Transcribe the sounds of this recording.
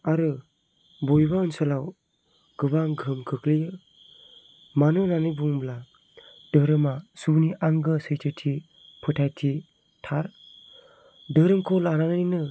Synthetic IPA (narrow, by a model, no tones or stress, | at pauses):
aɾɯ | bojbaɯnsɯlaw | ɡ̥ɯbaŋɡʱɯmkʰɯklijɯ | manɯnanɯjbuŋbla | d̥ɯɾɯmasuniʔaŋɡɯsɯjtʰɯtʰi | pʰɯtʰajtʰi | tʰaɾ | dɯɾɯmkʰɔlananainɯ